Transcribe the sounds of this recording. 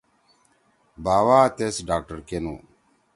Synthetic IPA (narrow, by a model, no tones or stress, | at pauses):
baːwaːt̪esɖaːk̚ʈəɾkenṵ